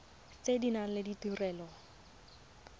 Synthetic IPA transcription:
t͡sedinan̩lɪditurɛːlɔ

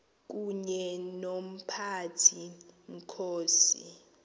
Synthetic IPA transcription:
k̬ʼuɲɛnom̩pʰatʰiŋ̩kʰoːsi

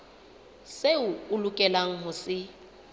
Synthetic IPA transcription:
seʊʊlʊkʼɛlaŋ̩ɦʊsɪ

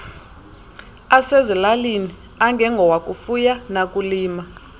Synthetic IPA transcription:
asezilalini | aŋɡʱɛŋɡʱɔwakʼufujanak̬ʼuliːma

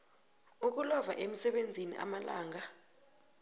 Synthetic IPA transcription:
uk̬ulɔvaʔem̩sɛɓend͡zʱinḭʔa̰malaːŋa

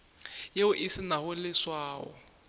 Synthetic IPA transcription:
jeʊʔisɪnahʊlɪswaːɔ̰

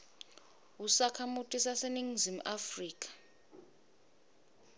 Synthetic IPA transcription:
usakʰamutʼisaseniŋzim̩ʔafriːkʼḁ

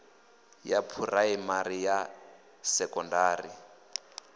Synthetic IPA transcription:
japʰuraimaɾija | sɛkɔndaːri

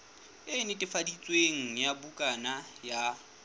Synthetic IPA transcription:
ɪnɪtʼɪfadit͡sʼweŋ̩jabukʼanaja

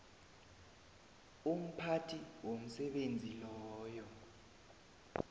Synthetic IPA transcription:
um̩pʰatʰiwom̩sɛɓend͡zʱilɔːjɔ

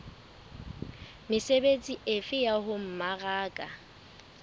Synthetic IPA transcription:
mɪsebet͡sʼiʔɪfɪjahʊm̩maɣaːkʼa̰

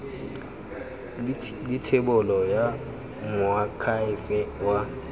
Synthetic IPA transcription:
lɪtʰɪbʊlɔja | mʊakʰaɪfɛwa

